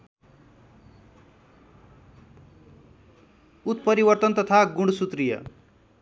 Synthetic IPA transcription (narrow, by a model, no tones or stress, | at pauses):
ut̪̚pʌɾibʌrt̪ʌnt̪ʌt̪ʰaɡuɳɽsut̪rijʌ̰